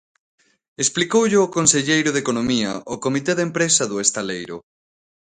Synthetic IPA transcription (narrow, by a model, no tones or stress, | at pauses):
esplikowʎɪokonseʎejɾʊðekonomiɐ̰ʔokomit̪eðempɾesɐðʊest̪alejɾʊ̰